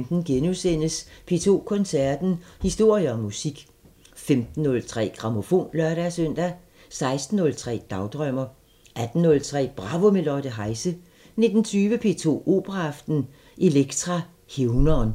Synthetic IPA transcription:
md̥n̩ɡ̥enusen̰əspʰe̝̰ːt͡sʰo̝̰ːkʰɔ̽nsæɐd̥n̩hisd̥o̝ɐ̰jəɒ̽mːusiɡ̥ | femd̥n̩ːɔ̽lt͡sʰʁɛ̰ːɡ̥ʁɑ̈mo̝fo̝̰ːnlœɐɾæsøn̰d̥æ | sɑ̈ɪsd̥n̩ːɔ̽lt͡sʰʁɛ̰ːd̥ɑ̈ʊd̥ʁœm̰ɐ | ʔæd̥n̩ːɔ̽lt͡sʰʁɛ̰ːb̥ʁɑ̈ʋo̝me̝lɒɾ̥əɦɑ̈ɪsə | ne̝d̥n̩t͡sʰyːʋəpʰe̝ːt͡sʰo̝̰ːo̝̰ːb̥əʁɑːfd̥n̩ | ʔe̝leɡ̥t͡sʰʁɑ̈ | heʊnɐːn

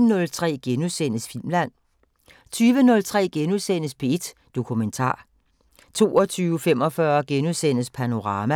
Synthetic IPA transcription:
nɔ̽lt͡sʰʁɛ̰ːɡ̥enuðˠsen̰əsfil̰mlæn̰ | t͡sʰyːʋənɔ̽lt͡sʰʁɛ̰ːɡ̥enuðˠsen̰əspʰe̝ed̥ | d̥o̝kʰument͡sʰɑ̰̈ː | t͡sʰo̝̰ːɒ̽t͡sʰyːʊəfem̰ɒ̽fɶɐɡ̥enuðˠsen̰əspʰæno̝ʁɑ̈ːmæ

